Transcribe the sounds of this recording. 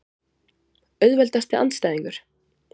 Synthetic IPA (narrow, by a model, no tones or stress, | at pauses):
œɥðvɛlt̪ast̪ɪa̰nt̪st̪ajðiŋkʏɾ̥